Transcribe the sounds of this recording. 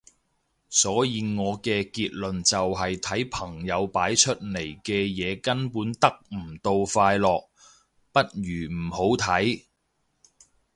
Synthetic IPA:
sɔː˨˥jiː˨˧ŋɔː˨˧kɛː˧kiː˧t̚lɵ˨nt͡sɐ˨wɦɐ˨jt̪ʰɐ˨˥jpʰɐ˨˩ŋjɐ˨˧wpaː˨˥jt͡ʃʰɵ˥t̚le˨˩jkɛː˧jɛː˨˧kɐ˥npuː˨˥nt̪ɐ˥k̚m̩˨˩t̪o˧wfaː˧jlɔː˨k̚ | pɐ˥t̚ɥyː˨˩m̩˨˩ho˨˥wt̪ʰɐ˨˥j

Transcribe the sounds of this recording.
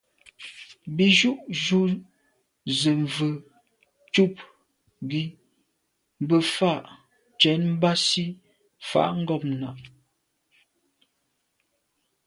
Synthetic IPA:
bi˨ʒu˦ʔʒu˦ | zə˨ɱ˨və˨ | t͡ʃu˦˨p̚ | ɡi˦˨ | bə˨fa˦˨ʔ | t͡ʃɛ˨˦nm̩˦ba˦si˦ | fa̰˦˨ʔŋ̩˦ɡɔ˦˨p̚na˨ʔ

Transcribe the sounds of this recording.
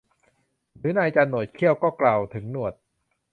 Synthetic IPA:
ɾɯː˩˦˥na˧jt͡ɕa˧nːo˨˩t̪̚kʰi˥˩əwkɔː˥˩klaː˧wt̪ʰɯ˩˦ŋnu˨˩ət̪̚

